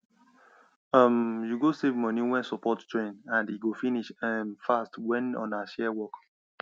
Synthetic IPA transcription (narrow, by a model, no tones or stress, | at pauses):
ʌmjuɡosevmɔniwɛ̃nsɔpɔttɹẽnãndiɡofiniʃɛmfastwɛ̃nɔ̰̃naʃɛwɔk